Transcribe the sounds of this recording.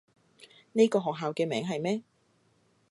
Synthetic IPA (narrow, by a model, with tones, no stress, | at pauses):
ne˥jkɔː˧ɦɔː˨k̚ɦaː˨wkɛː˧mɛ̰ː˨˥ŋɦɐ˨jmɛː˥